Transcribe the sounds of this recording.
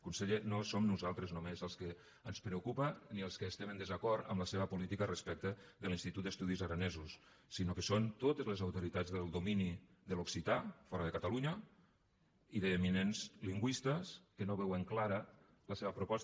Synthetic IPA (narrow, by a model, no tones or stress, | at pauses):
kunseʎenosomnuzalˠt̪ɾəznumezəlˠskə | ənspɾəukupəniəlˠskəːst̪ɛmənd̪əzakɔɾt̪ə̰mləseβəpulit̪ikərəspɛk̚t̪əðəlinst̪it̪ut̪̚d̪əst̪uðizəɾənezusː | inokəsont̪ot̪əzlezawt̪uɾit̪ad͡zðəlˠd̪umini | ðəluksit̪afɔɾəðəkat̪aluɲə | iðəːminenzliŋɡwist̪əskənoβɛwəŋklaɾə | ləseβəpɾupɔs